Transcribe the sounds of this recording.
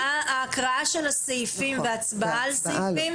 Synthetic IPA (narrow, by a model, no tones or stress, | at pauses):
aaːkʁaaʃelasejfimveat͡sbaʔalsaim